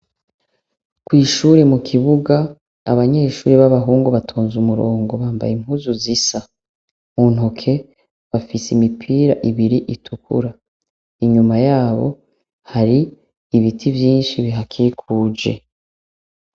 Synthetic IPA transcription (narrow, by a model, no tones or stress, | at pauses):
kwiːʃuːɾemukʰiβuɡa̰ː | βaɲe̞ːʃṵːɾeβaβaɦuːŋɡoβatʰoːnzumuɾoːŋɡo̞βaːmba̰jim̥huːzuzisa | muːn̥ɦokʰe̞ | βafisimipʰiːɾa̰ʔiβiɾiʔitʰukʰṵɾa | iɲumajaːβo̰ | haɾiː | βitʰivjiːnʃiβiɦakʰikʰuːd͡ʒḛ